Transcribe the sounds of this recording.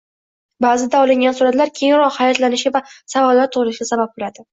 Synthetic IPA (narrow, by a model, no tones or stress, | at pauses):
baːzɪd̪aɒlɪŋɡʲansuɾat̪laɾkʲʰe̞jɾɒqhajɒt̪lanɪʃɪvasavɒlːaɾt̪ʰʊʁɾɪsʃɪɡʲasabap̚bolad̪ɪ